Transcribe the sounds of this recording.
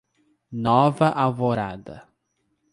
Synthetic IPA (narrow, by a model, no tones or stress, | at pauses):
nɔvɐʔawvoɾa̰d̪ɐ̰